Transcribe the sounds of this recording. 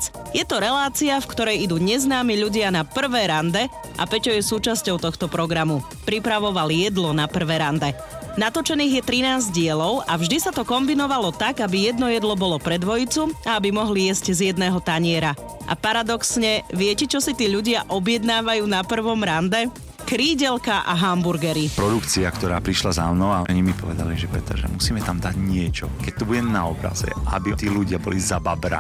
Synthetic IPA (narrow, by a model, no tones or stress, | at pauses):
jɛt̪ɔɾɛlaːt͡siafkt̪ɔɾɛjid̪uːɲɛznaːmiʎuɟɪanapr̩ʋɛːɾand̪ɛ | ʔa̰pɛcɔjɛsuːt͡ʃascɔʊt̪ɔxt̪ɔpɾɔɡɾamu | pɾipɾaʋɔʋaljɛd̪lɔnapr̩ʋɛːɾand̪ɛ | nat̪ɔt͡ʃɛniːɣjɛt̪ɾinaːzɟɪɛlɔʊʔavʒd̪isat̪ɔkɔmbinɔʋalɔt̪aɡabijɛd̪nɔjɛd̪lɔbɔlɔpɾɛd̪ʋɔjit͡suaabimɔɦlijɛzɟzjɛd̪nɛːɦɔt̪aɲɪɛɾa | ʔa̰paɾad̪ɔksɲɛʋɪɛcɛt͡ʃɔsit̪iːʎuɟɪaʔɔbjɛd̪naːʋajuːnapr̩ʋɔmɾand̪ɛ | kɾiːɟɛlkaʔa̰ɦambuɾɡɛɾipɾɔd̪ukt͡siakt̪ɔɾaːpɾiʃlaza̰mnɔaɔɲimipɔʋɛd̪a̰liʒɛpɛ̰t̪ɛ̰ɾʒɛ̰musiːmɛt̪amd̪aɟɲɪɛt͡ʃɔ̰kɛc̚t̪ɔbuɟɛnaɔbɾa̰zɛ̰ʔa̰bit̪iːluɟɪabɔ̰lizababɾa̰